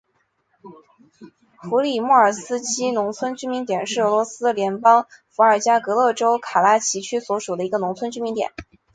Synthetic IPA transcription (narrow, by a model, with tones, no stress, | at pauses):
xu˧˥li˨˩mɔ˥˩ə˞˨˩sɹ̩˥t͡ɕʰi˥nʊ˧˥ŋt͡sʰwə˥nt͡ɕy˥nmi˧˥ŋt̪jɛ˨˩nʂɻ̩˥˩ɤ˧˥lwɔ˧˥sɹ̩˥ljɛ˧˥npɑ˥ŋfu˧˥ə˞˨˩t͡ɕja˥kɤ˧˥lɤ˥˩ʈ͡ʂo˥ʊkʰa˨˩la˥t͡ɕʰi˧˥t͡ɕʰy˥swɔ˧˥ʂu˨˩ə˦i˧˥ɡə˧nʊ˧˥ŋt͡sʰwə˥nt͡ɕy˥mi˧˥ŋt̪jɛ̰˨˩˦n